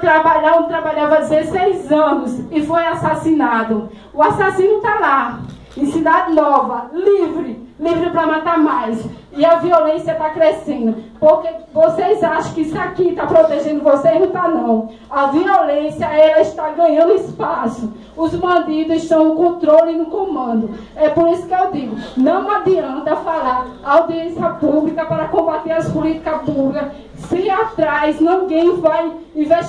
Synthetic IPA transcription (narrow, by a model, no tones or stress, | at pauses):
t̪ɾabaʎãt̪ɾabaʎavɐd̪ɪzesejzɐ̃nʊsɪfojasasinad̪ʊ | ʊasasĩnʊt̪ala | ẽsid̪ad̪ɪnɔvɐlivɾɪlivɾɪpɾɐmat̪amajs | ɪɐviolẽsjɐt̪akɾesẽnd̪ʊpoɾkevosejzaʃɐ̃w̃kɪisakit̪apɾot̪eʒẽnd̪ʊvosejnɐ̃w̃t̪anɐ̃w̃ | ɐviolẽsjɐɛlɐiʃt̪aɡɐ̃ɲɐ̃nd̪ʊispasʊ | ʊzmɐ̃d̪id̪ʊziʃt̪ɐ̃w̃nʊkõt̪ɾolɪnʊkõmɐ̃nd̪ʊ | ɛpoɾisʊ̥kɪewd̪iɡʊnɐ̃w̃ad̪iɐ̃t̪ɐfalaɾː | awd̪iẽsiɐpublikɐpaɾɐkõbat̪eɾɐspulit̪i̥kɐpublikɐ | siat̪ɾajznĩɡẽj̃vaj | ĩve